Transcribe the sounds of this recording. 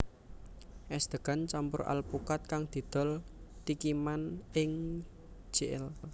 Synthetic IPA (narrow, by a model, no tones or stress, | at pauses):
ʔɛsd̪̥ə̤ɡ̥a̤nt͡ʃampʊ̰ɾʔa̰lpukat̪̚kaŋd̪̥i̤d̪̥ɔ̤lt̪ikimanɪŋ | d͡ʒ̥eʔɪ̰l